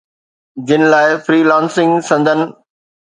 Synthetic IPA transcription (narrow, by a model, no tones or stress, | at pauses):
d͡ʑɪnɪ̆laːɪfɾiːlãːnsɪ̃ŋɡsɐ̃nd̪ʱənɪ̆